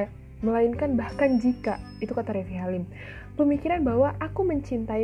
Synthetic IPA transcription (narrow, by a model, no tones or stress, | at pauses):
məlainkanbahkand͡ʒika | it̪ukat̪aɾefiɦalɪm | pəmikiɾanbaɦwaʔakuməɲt͡ʃint̪a